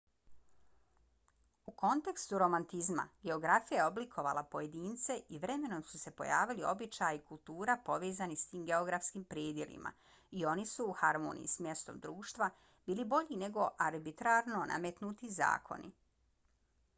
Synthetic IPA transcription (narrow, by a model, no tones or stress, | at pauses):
uko̞nt̪e̞kst̪uɾo̞mant̪izma̰ɡe̞o̞ɡɾafijajeo̞blikʰo̞ʋa̰lˠapo̞je̞d̪iːnt̪se̞ʔiʋɾe̞me̞no̞msu̥se̞po̞̰jaːʋilio̞̰bit͡ʃajikulˠt̪uːɾapo̞ʋeːzanist̪iːmɡe̞o̞ɡɾafskimpɾjed̪jelḭmʔa̰ | io̞nisuːxaɾmo̰ːnḭjḭsmje̞st̪o̞md̪ɾuːʃt̪ʋa | b̥iːlibo̞ʎine̞ɡo̞ʔaɾbit̪ɾaɾno̞nʔa̰met̪nut̪iza̰ːkʰo̞̰nḭ